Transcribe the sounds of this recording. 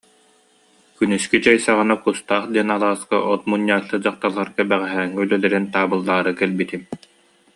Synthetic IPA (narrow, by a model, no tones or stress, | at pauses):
kynyskit͡ɕɛjsaʁɯnakust̪aːχd̪iɛnalˠaːskaʔɔt̪̚munːaːlːɯd͡ʑaqt̪alˠaɾɡabɛʁɛɦɛːŋːɛylœlɛɾɛnt̪aːbɯlˠːaːɾɯkɛlbit̪im